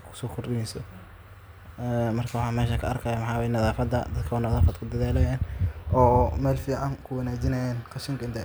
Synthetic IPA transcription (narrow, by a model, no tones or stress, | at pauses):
kʰʊ̥sɔːkʰʊrɪjɪnsɔ | ɛmɐrkʰɐwɑħɑːmɛːʃɐkʰɐʔɐrkʰaːjɐmɑħɑːwɛjnɐðaːfɐd̪ɐ̰d̪ɐd̪kʰɐwɐnɐðaːfɐd̪kʰʊd̪ɐðaːlɐjaːnʔɔːmɛːlfiːʕɑŋkʰʊwɑnaːd͡ʒɪnɐjaːnqɑʃɪŋkʰɐɪnt̪ʰɐ